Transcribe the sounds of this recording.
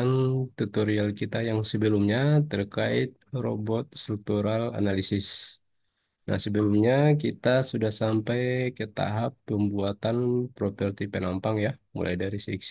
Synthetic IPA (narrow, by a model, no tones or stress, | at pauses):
ant̪ut̪oɾialkit̪ajaŋsəbəlʊmɲat̪ərkaɪt̪̚ro̰bɔt̪̚st̪ɾuk̚t̪uɾala̰nalisɪs | na̰hsəbəlʊmɲakit̪asudahsampajkət̪a̰ɦapːəmbuat̪anpɾopərt̪ipənampaŋjamṵlʔa̰jdaɾisiks